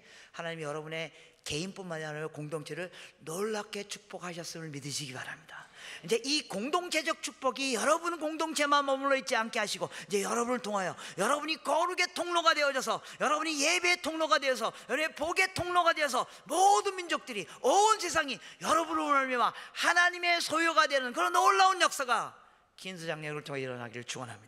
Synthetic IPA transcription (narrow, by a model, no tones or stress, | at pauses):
hanaɲimijʌɾʌbune̞ | ke̞imp͈unmaɲiɦanɯmjʌkoŋdoŋt͡ɕʰe̞ɾɯɭnoɭːakʰe̞t͡ɕʰu̥k̚p͈ʌkhaɕʰʌs͈ɯmɯɭmidɯɕʰiɡiba̰ɾamɲid̥aind͡ʑe̞ʔikoŋdoŋt͡ɕʰe̞d͡ʑʌk̚t͡ɕʰuk̚p͈ʌɡijʌɾʌbunkoŋdoŋt͡ɕʰe̞manmʌmuɭːʌit̚t͡ɕ͈iank͈e̞ɦaɕʰiɡoind͡ʑe̞jʌɾʌbunɯɭtʰoŋɦajojʌɾʌbuɲikʌɾuɡe̞tʰoŋnoɡadeʌd͡ʑʌs̬ʰʌ | jʌɾʌbuɲije̞beːtʰoŋnoɡadwe̞ʌs̬ʰʌjʌepoɡe̞tʰoŋnoɡadwe̞ʌs̬ʰʌ | modɯnmind͡ʑok̚t͈ɯɾi | ʌns̬ʰe̞s̬ʰaŋijʌɾʌbunnʌɭmʌwahanaɲime̞sʰojuɡadwenɯnkɯɾʌnʌɭːaunjʌk̚s͈aɡa̰ | kinsʰɯd͡ʑaŋɲʌɡɯɭtʰoŋeiɾʌ̰na̰ɡiɾɯɭt͡ɕuɡʌnɦa̰mɲida